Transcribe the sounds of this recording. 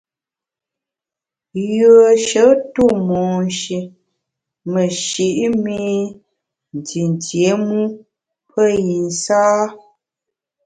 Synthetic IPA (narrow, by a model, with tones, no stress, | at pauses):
jə˨ʃə˨˦tu˦˨mɔː˨n˨ʃi˨ | mə˨ʃi˨ʔmi˦i˦ | n̩˨ti˨n˨tje˨˦mu˦ | pʰə˦ji˨n˨saː˦